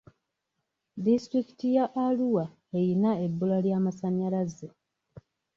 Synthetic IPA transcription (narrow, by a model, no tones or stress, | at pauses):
distɾiki̥tijaʔːluwa | ejinae̞bːulaljaːmasaɲalaze